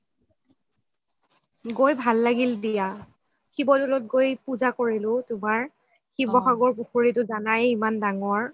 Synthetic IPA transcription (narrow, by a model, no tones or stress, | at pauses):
ɡojbʱalːaɡildija | xibɔdɔlɔt̚ɡojpuzakoɹilʊtʊmaɹ | xibɔxaɡɔɹpuxoɹitʊzanajimandaŋɔɹ